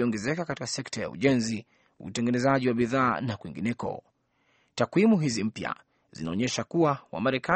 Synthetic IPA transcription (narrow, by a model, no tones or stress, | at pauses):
iɔŋɡɛzɛkakati̥kasɛktaja̰ṵʄɛnzi | ṵtɛŋɡɛnɛzaʄiwaɓiðaːnakwiŋɡinɛkɔ̰ | takwimuɦizim̩pja̰ | z̥ḭnaɔɲɛʃakuwawa̰maɾɛka